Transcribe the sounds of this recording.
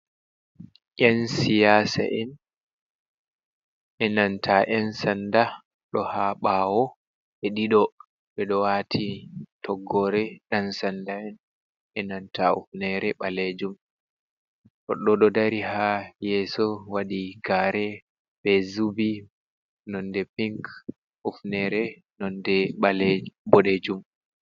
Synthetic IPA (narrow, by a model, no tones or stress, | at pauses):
ʔɛnsijaːsa̰ʔɛn | ʔɛnantʰaʔɛnsanda | ɗɔhaɓaːwɔ | ɓɛɗiɗɔ | ɓɛɗɔwatʰitʰɔɡːɔɾɛɗansandaɛn | ɛnantaṵfnɛɾɛɓaled͡ʒum | ʔɔɗɔɗɔdaɾihajɛːsɔwaɗiɡaːɾɛ | bɛzubi | nɔndɛpiŋk | ufnɛɾɛ | nɔndɛɓalebɔɗed͡ʒum